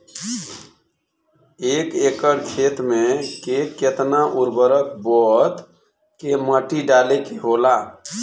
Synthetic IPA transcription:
ekekəɾkʰet̪mekeket̪naʔuɾbəɾəkbɔt̪ | keməʈiɖalekeɦola

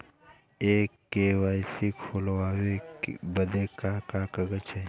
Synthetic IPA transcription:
eːkːewaːjsikʰolwaːwebəd̪ekakakɐɡət͡ʃe

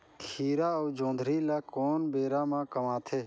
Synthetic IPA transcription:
kʰiːɾaːoːd͡ʒõːnd̪ʱɾiːlaːkoːnbeːɾãːmãːkəmãːt̪ʰeː

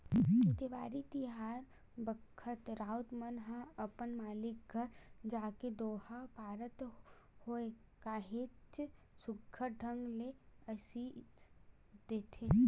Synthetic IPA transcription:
t̪eʋaːɾit̪iɦaːɾ | bəkʰːət̪ɾaːʊt̪mənɦaɐpənmaːlɪk̚ɡʱəɾd͡ʒaːked̪oːhapaːɾət̪ | hoe | kaːɦet͡ʃ | sʊɡʱʰəɖʱə̃ŋɡleɐsi | d̪eːt̪ʰe

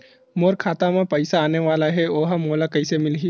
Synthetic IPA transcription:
moːɾkʰaːt̪amãpəɪsaːneʋaːlaɦɛoːɦamoːlakɐɪsemɪlɦi

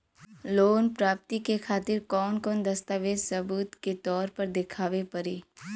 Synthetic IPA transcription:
loːnpɾaːp̚t̪ikekʰaːt̪ɪɾkɔːnkɔːnd̪ɐst̪aːʋeːd͡ʒsɐbuːt̪ket̪ɔːɾpəɾd̪ɪkʰaːʋepɐɾeː

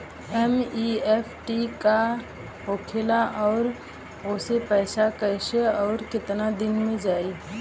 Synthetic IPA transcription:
ɛmiɛpʰʈika | ɦoːkʰɪlaʔɔːɾ | oːsepɛːsakəɪʃeɔːɾkɪt̪nad̪ɪnmẽd͡ʒaːi

